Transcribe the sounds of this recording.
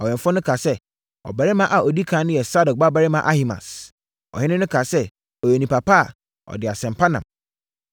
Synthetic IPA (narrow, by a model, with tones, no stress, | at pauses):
ɔ˨jɛ̃˨ɱfʊ̃˦nʊ̃˦kʰa˨sɛ˦ | ɔ̰˨ba˨ɾɪ˦mã˦ʔa˨ʔɔ˨di˦kʰã˨˦nʊ̃˦jɛ˨sa˦dɔ˨k̚ba˦ba˨ɾɪ˦mã˦ʔa˦hi˨mã̰˨s | ɔ̰˨hɪ̃˦nɪ̃˦nʊ̃˦kʰa˨sɛ˦ | ɔ˨jɛ˨nĩ˨pa˨pʰa˦a˨ | ɔ̰˨dɪ˨a˨sɛ̃˨mpʰa˦nã̰˨m